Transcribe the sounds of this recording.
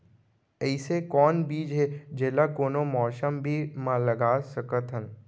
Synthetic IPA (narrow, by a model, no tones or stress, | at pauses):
ɛːɪsekɔːnbiːd͡ʒɦed͡ʒeːlakoːnomɔːsəmbʱimãləɡaːsəkət̪ɦən